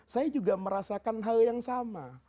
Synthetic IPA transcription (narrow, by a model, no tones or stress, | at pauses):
sajad͡ʒuɡaməɾasakanɦaljaŋsama